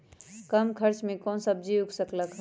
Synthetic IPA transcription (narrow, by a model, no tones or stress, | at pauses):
kəmkʰəɾt͡ʃmẽkɔ̃nsəb̚d͡ʒiuksəkləkɦ